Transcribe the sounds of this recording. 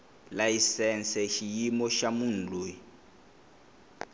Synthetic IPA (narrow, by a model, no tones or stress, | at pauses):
laisɛnsɛʃijimɔʃamun̩lu